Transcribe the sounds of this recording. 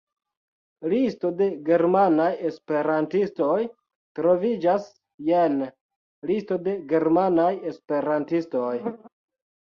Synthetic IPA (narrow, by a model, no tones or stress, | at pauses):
listo̞de̞ɡe̞ɾmanajespe̞ɾantisto̞j | tɾo̞vid͡ʒas | jen | listo̞de̞ɡe̞ɾmanaje̞spe̞ɾantisto̞j